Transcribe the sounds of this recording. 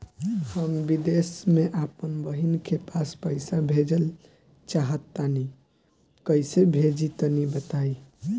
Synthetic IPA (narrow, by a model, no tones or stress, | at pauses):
həmbid̪esmeʔapənbəɦinkʰepaspəɪsabʱed͡ʒəl | t͡ʃaɦət̪ːani | kəjsebʱed͡ʒit̪ənibət̪aj